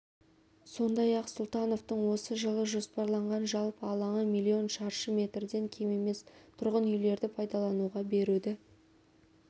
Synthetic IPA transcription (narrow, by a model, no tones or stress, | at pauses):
so̞nd̪ɑjɑqsʊlˠt̪ɑno̞ft̪əɴwo̞səʒəlˠəʒo̞spɑɾlˠɑɴʁɑnʒɑlˠpɑlˠɑɴəmijlʲˠːio̞nʃɑɾʃəmʲe̞t̪rd̪e̞ŋkʲʰeme̞me̞st̪ʰʊɾʁənʏjle̞ɾd̪ɪpʰɑjd̪ɑlˠɑnuʁɑbe̞ɾud̪ɪ